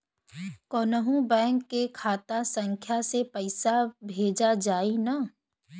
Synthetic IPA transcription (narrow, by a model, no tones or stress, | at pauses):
koːnəɦũbɛ̃ːŋkːekʰaːt̪asə̃ŋkʰjasepɐɪsabʱeːd͡ʒad͡ʒaːina